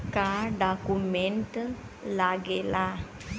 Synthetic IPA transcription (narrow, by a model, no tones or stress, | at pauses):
kaɖakumeɳʈ | laɡela